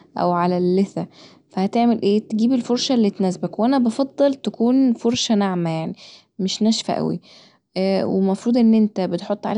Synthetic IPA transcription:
ʔæ̰wʕalælːeθæ | fæhæt̪eʕmelʔeːt̪eɡiːbelfoɾˤʃælːit̪næsbækweʔænæbɑfɑd̪ˤːɑlt̪ækuːnfoɾˤʃænaʕmæjaʕni | meʃnæʃfæ̰ʔæ̰wḭ | wḛmɑfɾˤuːd̪ˤʔenːʔent̪æbet̪ħot̪ˤːʕa̰l

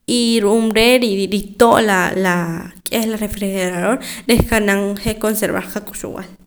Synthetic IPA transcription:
iɾuʔumɾeɾiɾit̪oʔlalakʼehlarefɾixeɾaðoɾɾehkanaŋχekonseɾβa̰χqakʼuʃṵw̰a̰l

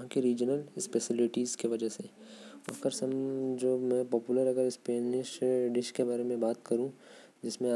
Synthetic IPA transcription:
ɦãkiɾiːd͡ʒənəlɪspesɪlɪʈiːzkeʋɐd͡ʒəsḛ | kəɾsɐmd͡ʒoːmɛ̃pɔːpuləɾɐɡəɾɪspeːnɪʃɖɪʃkebaːɾemẽbaːt̪kɐɾũ | d͡ʒɪsmẽ

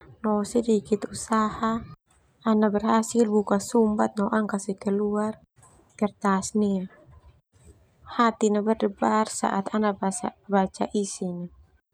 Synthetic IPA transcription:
nɔsɛdikit̪usaha | anabərhasilbukasumbat̪̚nɔʔaŋkasihkɛluar | kɛrt̪asnia | hat̪inabərdəbarsa̰ʔat̪anabaabat͡ʃaʔisiɲa

